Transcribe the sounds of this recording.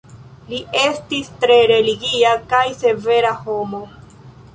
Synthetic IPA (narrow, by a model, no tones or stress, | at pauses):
liʔe̞stistɾe̞ɾe̞liɡiakajse̞ve̞ɾaho̞mo̞